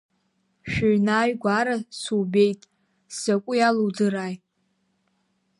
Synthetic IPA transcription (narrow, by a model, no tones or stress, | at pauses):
ʃᶣʊɥnaːjɡʷaɾasube̞jtʼ | sakʷʼʊjaluwd͡zɨɾaːj